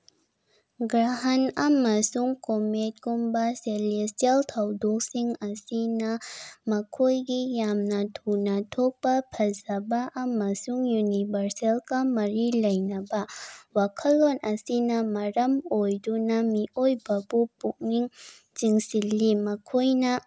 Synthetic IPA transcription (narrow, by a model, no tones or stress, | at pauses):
ɡɾaɦɐnɐmɐsuŋkomet̚kumbɐseles̬tieltʰɐwdok̚siŋɐsinɐmɐkʰojɡijamnɐtʰunatʰok̚pɐpʰɐzɐbaʔɐmɐsuŋjunibʱɐɾselkɐmɐɾilɐjnɐbɐwakʰɐlːonʔɐsinɐmɐɾɐmojdunɐmiʔojbɐbupuk̚niŋ | t͡ʃiŋsilːimɐkʰojnɐ